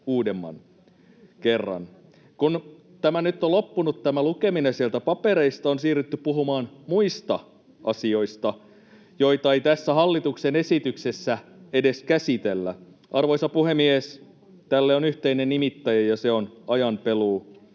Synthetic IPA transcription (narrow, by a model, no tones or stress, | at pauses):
uːdemːɑ̰n | kerːɑ̰n | kun | t̪æmænyt̪ːolo̞pːunut̪t̪æmælukeminesielt̪æpɑpeɾe̞ist̪ɑonsiːryt̪ːypuɦumɑːnmuist̪ɑ | ʔɑsio̞ist̪ɑ | joit̪ɑeit̪æsːæhɑlːit̪uksenesit̪yksesːæedeskæsit̪elːæ̰ | ʔɑrʋoisɑpuhemies | t̪ælːeonyht̪einenimit̪ːæjɑjɑseonɑjɑnpeluː